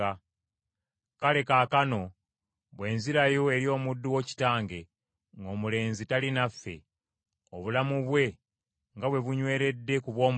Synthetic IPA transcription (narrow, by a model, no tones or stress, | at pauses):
a | kale̞kaːkano̞ | βwe̞ːnziɾajo̞e̞ɾjo̞ːmudːuwoci̥taːŋɡe̞ | ŋɡo̞ːmule̞ːnzitalinafːe̞̰ | o̞βulamuβwe̞ | ŋɡaβwe̞βuɲwe̞ːɾe̞dːe̞kuβwo̞ːm